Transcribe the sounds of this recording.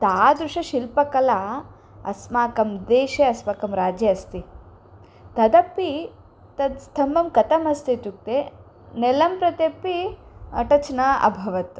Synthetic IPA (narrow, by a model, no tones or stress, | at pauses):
t̪aːd̪ɾuʂɐʃilpɐkɐla | ɐ̰smaːkɐmd̪eːʃeɐsmakɐmɾaːd͡ʒjɐɐst̪i | t̪ɐd̪ɐpːi | t̪ɐd̪st̪ʰɐmbɐmkɐt̪ɐmɐst̪iʈ̪uk̚t̪e | nɛlɐmpɾɐt̪epːiɐ̰ʈɐt͡ʃnaːʔɐ̰bʱɐʋɐt̪